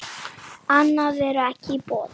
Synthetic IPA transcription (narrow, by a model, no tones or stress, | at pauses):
anavɛɾakʰipɔ